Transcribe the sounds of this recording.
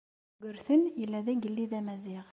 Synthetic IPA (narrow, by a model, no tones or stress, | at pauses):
ɡɵ̆ɾθɘnilæðɘɡilːiðæmæziʁ